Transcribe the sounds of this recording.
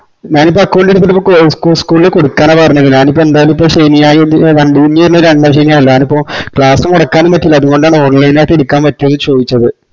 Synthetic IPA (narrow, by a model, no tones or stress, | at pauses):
ɲaːnipːoɐkːɐoɳɖeɽut̪ːiɾipːoːkskuskuːlilekoɽukːaːnaːpɐrɐɲːɐðɨɲaːnip̬ːoe̞nd̪aːjɐlumipːoːɕejnijaːjʋɐɳɖiɲːiiɾnɐɾɐɳɖɐmɕɐjnijaːjilɐɲaːnipːo̞ːkɭaːsɐmuɽɐkːaːnːɨmpɐtːilːɐðuɣo̞ɳɖaːɳɨoːrlɐjnaːjʈːeɽukːaːnpɐtːɐnːɨt͡ɕo̞ːd̪it͡ɕːɐðɨ